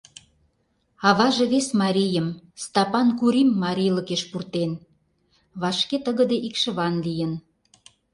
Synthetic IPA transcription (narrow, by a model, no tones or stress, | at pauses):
ɑβɑʒeβesmɑɾʲijəmst̪ɑpɑnkuɾʲimːɑɾʲijləkeʃpurt̪en | βɑʃket̪əɣə̆d̪eʔikʃə̆βɑnlijən